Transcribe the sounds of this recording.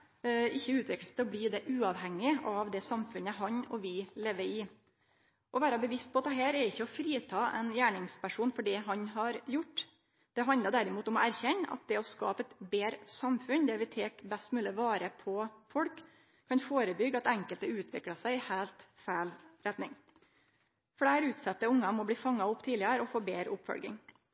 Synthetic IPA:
ɪçːəʉːt̪ʰʋɪkləst̪ʰɛɔbliːd̪ɛʔʉːɑʋhɛŋːɪʔɑʋd̪ɛsɑmfʉnəɦɑnɔ̰ʋɪleːʋəɾɪ | ʔɔʋæːɾɑbəʋɪst̪̚pʰɔɑt̪̚d̪ɛɦæːɾɛɾɪçːəɔfɾiːt̪ʰɑːʔɛ̰njæːɳɪŋspʰæʂuːnfɔɖɛɦɑnɦɑɾjʊʈː | d̪̥ɛɦɑnd̪əd̪æɾɪmuːt̪ɔmɔæɾçɛnːəʔɑ̰t̪̚d̪ɛɔskɑ̰ːpəɛt̪beːɾəsɑmfʉnd̪ɛʋɪt̪ʰeːkbɛst̪mʉːləʋɑːɾəpʰɔfɔɽkʰː | ɑnfoːɾəbʏɡːɑt̪ɛŋkəlt̪əʉːt̪ʰʋɪkɽɑsæɪɪhæːlt̪fæɪlɾɛt̪nɪŋ | fɽæɪɾʉːt̪sɛt̪ːəʊŋːɑmɔbliːfɑŋːɑʊpːt̪ʰiːlɪəɾəɔfoːbeːɾəʊpfɔ̰lɡɪ̰ŋ

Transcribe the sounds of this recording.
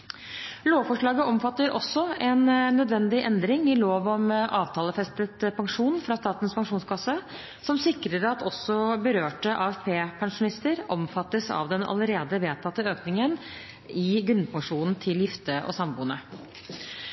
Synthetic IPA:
loːʋfɔʂɭɑːɡəʔɔmfɑt̪ːəɾʔɔsːɔɛnːœd̪ʋɛnd̪ɪʔɛnd̪ɾɪŋɪloːʋɔmʔɑːʋt̪ʰɑːləfɛst̪ət̪pʰɑŋʂuːnfɾɑst̪ɑːt̪nspɑŋʂuːnskʰɑsə | sɔmsɪkɾəɾɑt̪ʰɔsːɔbəɾøːʈəʔɑːɛfpʰeːpʰɑŋʂʊnɪst̪əɾɔmfɑt̪ːəsɑ̰ʋd̪ɛnɑ̰ləɾeːd̪əʋeːt̪ʰɑt̪ːəøːknɪŋən | ɪɡɾʉnəpʰɑŋʂuːnn̩t̪ʰɪljɪft̪əʔɔ̰sɑmbuːnə

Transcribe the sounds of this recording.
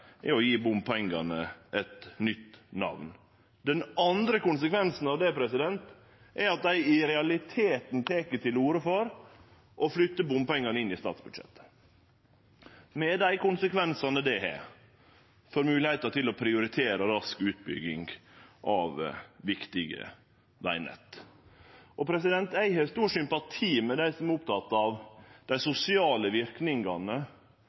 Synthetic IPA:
ɛɾɔjiːbʊmpʰɛŋɡɑnəʔɛt̪nʏt̪ːnɑ̰ʋn | d̪ɛnɑnd̪ɾəkʊnsəkʰʋɛnsn̩ɑʋd̪ɛpʰɾɛsɪd̪ɛnt̪ | ʔɛɾɑt̪̚d̪æɪɪɾɛɑlɪt̪ʰeːt̪nt̪ʰeːkəʈ̪ʰɪluːɾəfɔɾ | ʔɔflʏt̪ːəbʊmpɛŋːɑnəɪnːɪst̪ɑ̰ːt̪sbʉd̪ʂɛ̰t̪ːə̥ | mɛd̪æɪkʊnsəkʰʋɛnsɑnəd̪ɛhɛ̰ɾ | fɔɾmʉːlɪheɪt̪ɑt̪ʰɪlɔpʰɾɪʊɾɪt̪ʰeːɾəɾɑskʉːt̪̚bʏ̰ɡɪŋɡʔɑʋʋɪkt̪ɪɡə̰ | ʋæɪnɛ̰t̪ː | ʔɔpʰɾɛs̬ɪd̪ɛnt̪æɪhɛst̪uːʂʏmpɑt̪ʰiːmɛd̪æɪsɔmɛɾʊp̚t̪ʰɑt̪ːɑʋd̪̥æɪsʊsɪɑːləʋɪɾknɪŋɡɑnə

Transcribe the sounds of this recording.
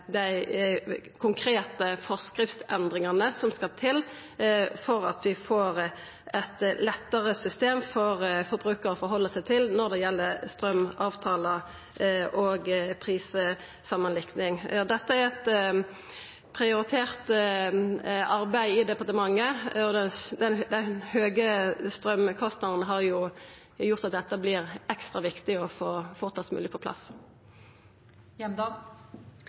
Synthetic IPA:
d̪æɪ | kʰʊŋkʰɾeːt̪əfɔʁskɾɪft̪ɛnd̪ʁɪŋɑnəsɔmskɑlt̪ʰɪl | fɔɾɑ̰t̪ʋɪfoːʁ | ɛt̪lɛt̪ːəʁəsʏst̪eːmfɔʁfɔɾbɾʉːkəɾɔfɔɾɦɔlːəsæɪt̪ʰɪlnɔɾd̪ɛjɛlːəst̪ɾœmɑːʋt̪ʰɑːlə | ʔoːɡpʰɾiːsə | sɑmːənlɪknɪŋd̪ɛt̪ːəæɾɛt̪ | pʰʁɪʊɾɪt̪ʰeːʁt̪ | ɑɾbæɪɪd̪ɛpɑɾt̪əmɑŋːəɔd̪ɛd̪ɛnd̪ɛhøːɡəst̪ɾœmkʰɔst̪nɑd̪n̩əɦɑɾjʊ | jʊʁt̪ɑt̪̚d̪ɛt̪ːəblɪɾɛkst̪ʁɑʋɪkt̪ɪɔfoːfɔːʁt̪ʰɑsmʉ̰lɪəpʰɔpʰlɑ̰s | jɛd̪

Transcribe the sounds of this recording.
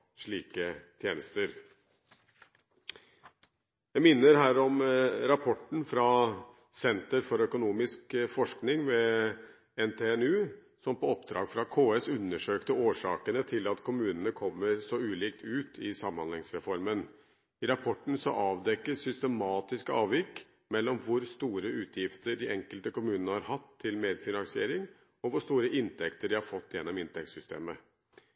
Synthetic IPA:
ʂɭiːkət̪ʰjeːnəst̪əɾ | jæɪmɪnːəɾɦæːɾɔmɾɑpʰɔʈːn̩fɾɑ | sɛnt̪əɾfɔɾœkʊnuːmɪskfɔʂknɪŋʋɛ | ɛnt̪ʰeːɛnʉː | sɔmpɔɔpd̪ɾɑ̰ːɡfɾɑkʰoːɛsʉnːəʂøːkt̪əoːʂɑ̰ːkənət̪ʰɪlɑt̪kʰʊmʉːnənəkʰɔmːəɾsɔʉːliːk̚t̪ʰʉːt̪ʰɪsɑmːɑnlɛŋsɾɛfɔɾmən | ɪɾɑpʰɔʈːn̩sɔ̰ʔɑːʋd̪ɛkːəsʏst̪əmɑːt̪ɪskəɑːʋjɪkː | mɛlːɔmʋʊɾst̪uːɾəʉːt̪ʰjɪft̪əɖɪʔɛŋkəlt̪əkʊmʉːnənəhɑɾhɑt̪ʰːɪlmeːd̪fɪnɑŋsɪḛːɾɪŋ | ɔʋʊʂt̪uːɾəʔɪnt̪ʰɛkt̪əɖɪhɑɾfɔt̪ːjɛnːɔmɪnt̪ɛk̚t̪sʏst̪ḛːmə

